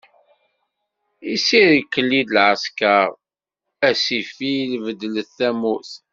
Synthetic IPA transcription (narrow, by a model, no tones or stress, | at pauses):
isiɾikːəlːid̪lʕəskaɾˤ | æsifilvəd̪ləθːæmuθ